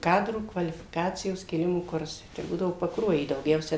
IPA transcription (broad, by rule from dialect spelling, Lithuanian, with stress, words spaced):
ˈkɑːdruː kʋɐlʲɪfʲɪˈkɑːt͡sʲɪjoːs kʲeːˈlʲɪmoː ˈkʊrsɐɪ tɐɪ ˈbuːdɐʋoː pɐkˈruɔjiː dɐʊˈɡʲɛʊsʲɛ